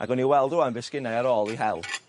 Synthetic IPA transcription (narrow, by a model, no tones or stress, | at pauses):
ʔa̰ɡɔniwɛlˠdʊanvɪskɪnajaɾɔːlˠiɦɛlˠ